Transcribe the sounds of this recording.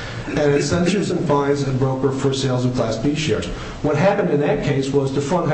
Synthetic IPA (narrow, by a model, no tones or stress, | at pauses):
ɨ̃nɨz̥sɛ̃nt͡ʃə˞zɨ̃nfãɪ̃zɨbɹoʊkə˞fə˞seɪlˠzʌv̥kʰl̥æsb̥iʃɛ̰ɹz̥ | wʌt̚ɦæpɨ̃ndɨ̃nðɨt̚kʰeɪswʌzðɨfɹʌ̃n